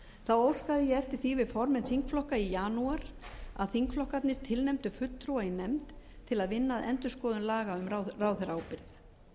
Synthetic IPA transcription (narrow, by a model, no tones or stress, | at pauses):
θawowskaðɪjɛɛft̪ɪɾ̥θivɪðfɔɾmɪnθiŋkflɔhkaijaːnuaɾ̥a̰ðθiŋkflɔhkat̪nɪst̪ʰɪlnɛmt̪ʏfʏt̪ːɾuainɛmt̪t̪ʰːɪlaðvɪnːaːðɛ̰nt̪ʏskɔːðʏnlaːɣaʏmɾaraːwθɛɾaːwpɪɾθ